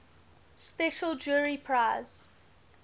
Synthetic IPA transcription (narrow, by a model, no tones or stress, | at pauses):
spɛʃəlˠd͡ʒuːɹipʰɹaɪz̥